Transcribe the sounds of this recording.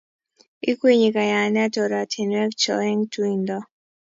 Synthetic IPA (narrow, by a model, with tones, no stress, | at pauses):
i˦kwe˨ɲi˨ka˨ja˨nɛ˦a˦tɔ˨ɾa˨tʰe˨nwɛ˦kt͡ʃɔ˨lɛ˦ŋtʰu˦i˨ndɔ